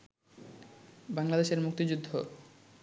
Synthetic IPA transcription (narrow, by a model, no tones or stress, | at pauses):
baŋlad̪eʃeɾmuk̚t̪id͡ʑud̪ʱːo